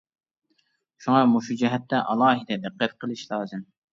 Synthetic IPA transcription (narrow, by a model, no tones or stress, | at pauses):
ʃuŋɑmuʃud͡ʒɛɦɛt̪ːɛʔɑlˠɑːɦɨd̪ɛd̪ɨqːɛt̪̚qʰəlˠɨʃlˠɑːzɨm